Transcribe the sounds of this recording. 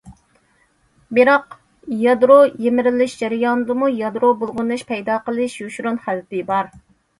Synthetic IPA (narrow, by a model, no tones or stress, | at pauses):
bɪɾɑq | jɑd̪ɾojemɪɾɪlɪʃd͡ʒæɾɪjɑnɨd̪ɨmujɑd̪ɾobolˠʁʊnɨʃpʰɛjd̪ɑːqəlˠɨʃjuʃɾunχæd̪ɨt̪ɨbɑɾ